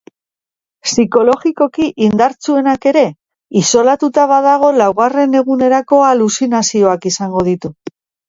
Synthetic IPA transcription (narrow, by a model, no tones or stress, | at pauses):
siko̞lo̞ɣiko̞kiʔind̪aɾt͡sue̞nake̞ɾe̞ | iso̞lat̪ut̪aβað̞aɣ̞o̞lawɣare̞ne̞ɣ̞une̞ɾako̞alusinasio̞akisaŋɡo̞ð̞it̪u